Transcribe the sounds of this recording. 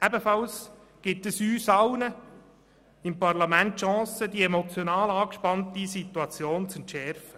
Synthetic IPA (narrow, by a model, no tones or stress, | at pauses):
ʔæbəfɑls | ɡ̥ɪtəsyːsɑwnə | ɪmpɑɾlɑmæntʃɑ̃ːsəd̪iɛmot͡sjonɑːlɑːkʃpɑntisit̪uɑt͡sjoːnt͡sɛntʃɛɾfə